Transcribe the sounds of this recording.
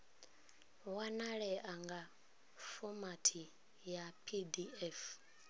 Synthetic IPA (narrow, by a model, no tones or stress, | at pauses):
wanaɺɛʔaŋɡa | fɔmatʰi | japʰidiɛf